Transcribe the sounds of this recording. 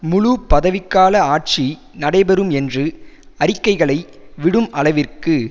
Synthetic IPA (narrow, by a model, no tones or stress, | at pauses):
mʊɻupɐðɐʋɪkːaːlɐaːʈ̚t͡ʃi | nɐɽɐɪbɛɾɯmɛndrɯ | ɐɾɪkːɐɪɣɐɭɐɪ | ʋɪɽɯmʔɐlɐʋɪrkɯ